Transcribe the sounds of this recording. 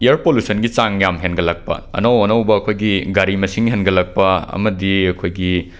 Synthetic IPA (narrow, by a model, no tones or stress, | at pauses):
ijɐɾpolusɐnɡit͡ʃaŋjamɦenɡɐlɐk̚pɐ̰ɐ̰nowɐnɐwbɐːkʰojɡiɡaɾimɐsiŋɦenɡɐlɐk̚pɐɐ̰mɐdiɐkʰojɡi